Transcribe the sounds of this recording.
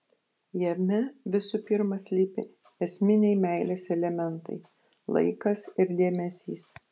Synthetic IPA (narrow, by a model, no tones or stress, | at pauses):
jɛmʲɛʋʲɪsupʲɪɾmɐsʲlʲiːpʲɪ | ɛsʲmʲɪnʲɛɪmʲæɪlʲesɛlʲɛmʲɛnt̪ɐ̰ɪ | lˠɐ̰ɪkɐsɪɾd̪ʲeːmʲɛsʲiːs